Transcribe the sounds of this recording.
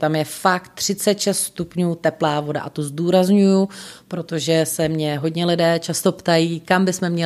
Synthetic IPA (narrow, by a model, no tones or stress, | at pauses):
t̪amjɛfakt̪ːr̝̥ɪt͡sɛt̪ʃɛst̪st̪upɲuːt̪ɛplaːvo̞da̰ʔat̪ozduːɾazɲujʊpɾo̞t̪o̞ʒɛsɛmɲɛɦo̞dɲɛlɪdɛːt͡ʃast̪o̞pt̪ajiːkambɪsmɛmɲɛ